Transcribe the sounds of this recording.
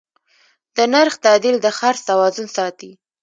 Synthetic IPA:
d̪̥ənaɾxt̪ad̪ild̪əxaɾst̪awɑzʊnsɑt̪i

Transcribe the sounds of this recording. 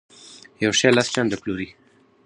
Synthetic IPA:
jawʃalast͡ʃand̪əploɾi

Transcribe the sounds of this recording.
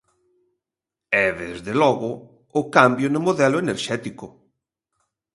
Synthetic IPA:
ɛðezðelɔɣʊ | ʊkambjonʊmoðɛlʊeneɾʃɛt̪ikʊ

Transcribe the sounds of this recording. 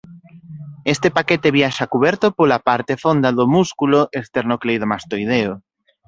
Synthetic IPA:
est̪epaket̪eβjaʃakuβɛɾt̪ʊpolapaɾt̪efond̪aðʊmuskuloʔest̪eɾnoklejðomast̪ojð̞eo

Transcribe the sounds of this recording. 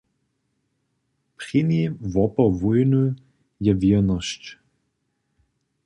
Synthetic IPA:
pχinivɔpɔvujnu | jɛvinɔʃt͡ʃ

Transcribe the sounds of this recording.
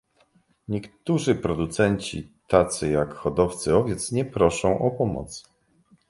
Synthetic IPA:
ɲɛkt̪uʐɘpɾɔd̪ut̪sɛɲt͡ɕḭt̪at̪sɘjakxɔd̪ɔft̪sɘɔvʲjɛt̪sɲɛpɾɔʂɔ̃w̃ʔɔpɔmɔ̰t̪s

